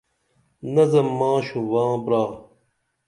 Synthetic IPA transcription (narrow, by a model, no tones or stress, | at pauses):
nɐzɐmːãːɕũwãːbɾaː